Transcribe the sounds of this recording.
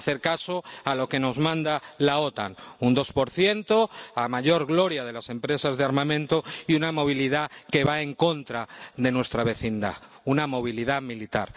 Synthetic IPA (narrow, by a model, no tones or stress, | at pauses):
θe̞ɾkaso̞alo̞ke̞no̞zmãnd̪alaot̪a̰ŋund̪o̞spo̞ɾθje̞nt̪o̞amaʝo̞ɾɣlo̞ɾjað̞e̞lase̞mpɾe̞sazðeaɾmãmẽ̞nt̪oiunamo̞β̞iliðake̞βae̞ŋko̞nt̪ɾaðe̞nwe̞st̪ɾaβe̞θind̪a̰ | unamo̞β̞iliðamilit̪a̰ɾ